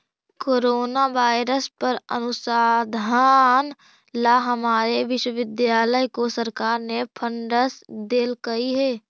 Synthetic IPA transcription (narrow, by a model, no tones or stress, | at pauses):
koːɾoːnaʋaːɪɾəspəɾə̰nʊsaːd̪ʱan | laɦɐmaːɾeʋɪʃwəʋɪd̪jaːləjkosəɾkaːɾnepʰə̃ɳɖəsd̪eːlkɐiɦɛː